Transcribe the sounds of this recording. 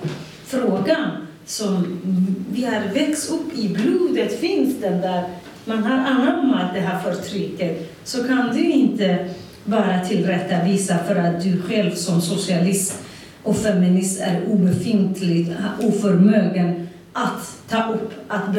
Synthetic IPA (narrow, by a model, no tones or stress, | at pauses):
fɾoːɡan | sɔm | vɪhaɾvɛksɵpːɪbluːd̪ət̪fɪnsd̪ənd̪æɾ | manɦaɾanːamat̪̚d̪ɛɦæɾfœɾt̪ʰɾʏkːət̪ | sɔkʰand̪ɵɪnt̪ə | bɑːɾat̪ʰɪlɾɛt̪ːaviːsafœɾat̪̚d̪ɵɧɛlvsɔmsʊsɪalɪst̪ | ʔɔkfɛmɪnɪst̪æ̰ɾuːbɛfɪnt̪ʰlɪuːfœɾmøːɡən | ʔat̪ʰːɑːʔɵpːat̪b